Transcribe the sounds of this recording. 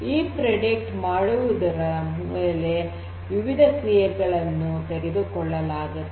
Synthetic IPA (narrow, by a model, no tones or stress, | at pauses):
iːpɾɐɖek̚ʈmaːɽuʋud̪ɐɾɐmeːle̞ | ʋiʋid̪ʱɐseːɐɾɡɐɭɐnːut̪eɾed̪ukɔɭːɐlaːɡɐ